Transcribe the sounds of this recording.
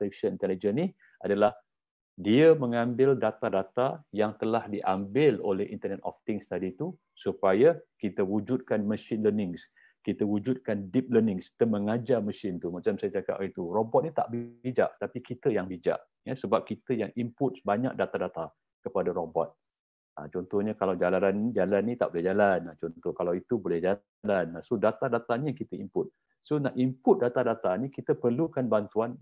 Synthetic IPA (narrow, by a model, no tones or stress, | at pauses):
safi̥ʃənint̪ɛlid͡ʒəni | adalah | diəməŋãmbɪldat̪adat̪ajaŋt̪əlahdiʔambɪlolɛhʔḭnt̪ənɛt̪ɔ̰ft̪ɪŋst̪adit̪u | supajakit̪əwud͡ʒud̪̚kanməsɪnlənɪŋs | kit̪əwud͡ʒud̪̚kandip̚lənɪŋsi̥t̪əməŋad͡ʒaməsɪnt̪umat͡ʃamsajad͡ʒaka̰pit̪urɔbɔt̪̚nit̪a̰ʔbid͡ʒa̰ʔt̪apikit̪əjaŋbid͡ʒa̰ʔ | jasəbap̚kit̪əjaŋimpʊt̪̚baɲa̰k̚dat̪adat̪a | kəpadaɾobɔt̪̚ | a̰t͡ʃɔnt̪ɔhɲakalawd͡ʒalaɾand͡ʒalanːit̪aʔbolɛhɦd͡ʒalanat͡ʃɔnt̪ɔhkalawit̪ubolɛhd͡ʒa | lanasodat̪adat̪aɲəkit̪əimpʊt̪̚ | sonaʔimpʊt̪̚dat̪adat̪anikit̪əpərlukanbant̪uan